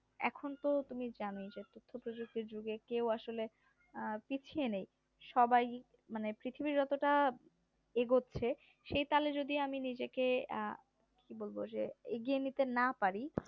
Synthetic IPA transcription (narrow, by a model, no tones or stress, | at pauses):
ɛ̰kʰont̪ot̪umid͡ʑanojd͡ʑet̪ot̪ʰːopɾod͡ʑuk̚t̪iɾd͡ʑuɡekewaʃole | pit͡ɕʰienej | ʃɔbaj | manepɾit̪ʰibiɾd͡ʑɔt̪oʈa | eɡotːɕʰe | ʃejt̪aled͡ʑod̪iaminid͡ʑeke | kibolbod͡ʑḛeɡienit̪enapaɾi